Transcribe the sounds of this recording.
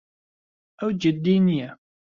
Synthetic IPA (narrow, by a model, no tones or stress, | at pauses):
æwd͡ʒəd̪ːiniæ